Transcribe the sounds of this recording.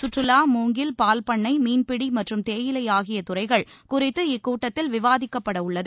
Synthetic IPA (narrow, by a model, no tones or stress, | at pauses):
sʊʈrɯlaːmuːŋɡɪlpaːlpɐɳːɐɪmiːnpɪɽimɐʈrɯmt̪eːjɪlɐɪjaːɣɪjɐt̪ʊrɐɪɣɐɭkʊrɪt̪ːɯɪkːuːʈːɐt̪ːɪlʋɪʋaːðɪkːɐpːɐɽɐʊɭːɐðɯ